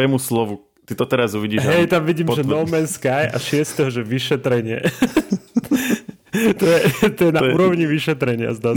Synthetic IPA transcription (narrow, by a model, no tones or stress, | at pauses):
ɛmuslɔʋu | t̪id̪ɔt̪ɛɾazuʋiɟiːɦɛjt̪amʋiɟiːmʒɛnɔmɛnskajʔa̰ʃɪɛst̪ɛɦɔʒɛʋiʃɛt̪ɾɛɲɪɛ̰ | t̪ɔjɛt̪ɔjɛnauːɾɔʊɲiʋiʃɛt̪ɾɛɲɪa̰zd̪a